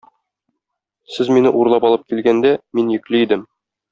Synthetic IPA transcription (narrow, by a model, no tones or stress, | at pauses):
sɘzminɘʔuɾlˠɑpɒlˠɤp̚kilɡænd̪æminjɘ̆klɘid̪ɘm